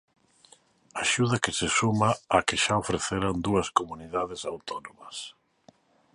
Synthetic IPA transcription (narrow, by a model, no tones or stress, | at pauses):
aʃuðɐkɪsesumaːkɪʃaofɾeθeɾand̪uɐskomuniðaðɪsawt̪onomɐs